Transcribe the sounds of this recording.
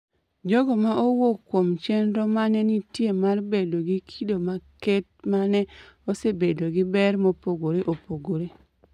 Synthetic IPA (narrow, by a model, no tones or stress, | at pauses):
d͡ʒɔɡɔmaʔowokːwomt͡ʃɛnɾɔmanɛnitjemarbedoɡikʰidomakɛt̚manɛosebedoɡɪbɛrmopoɡoɾeʔopoɡoɾe